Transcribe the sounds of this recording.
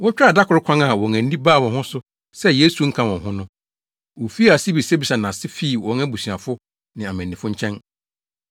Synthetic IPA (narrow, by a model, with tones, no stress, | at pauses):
wɔ̃˦t͡ɕᶣa˨da˦kʰʊ˨ɾʊ˦kʷʰã˦ŋa˨wɔ̃˨ŋæ̃˨n̩˦dĩ˦baː˦˨wɔ̃˨nhʊ̃˦sʊ˦ | sɛ˦je˦su˨ŋ̩˦kʰã˨wɔ̃˨ɦʊ̃˦nʊ̃˦ | wɔ˨fi˦a˨sɪ˦bi˨se˦bi˨sa˨nã˨sɪ˦fi˦˨wɔ̃˨˦ŋɛ̃˦bu˨sɥã˨fʊ˦ | nɪ̃˨a˨mɛ̃˨nː˨ɪ̃˨fʊ˦ɲ̩˦t͡ɕʰɛ̃˦n